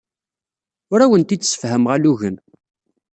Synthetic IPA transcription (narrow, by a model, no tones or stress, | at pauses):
ʊɾæwənt̪isə̥fɦəmʁæluʝən